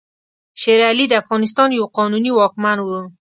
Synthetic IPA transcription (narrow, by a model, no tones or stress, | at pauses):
ʃeɾalid̪əafɣɑnɪs̬t̪ɑnjawqɔnuniwɑkmanwu